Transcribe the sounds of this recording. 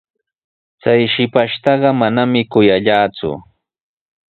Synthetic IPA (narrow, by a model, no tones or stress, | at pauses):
t͡sajʃɪpaʃt̪ɑɢɑmanamɪkʊjaʎaːt͡sʊ̰